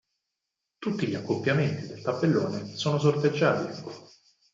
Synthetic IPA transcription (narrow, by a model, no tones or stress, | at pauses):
t̪ut̪ːiʎiakːopːjament̪id̪elt̪apːelːoːnesoːnosorp̪ed͡ʒːaːt̪i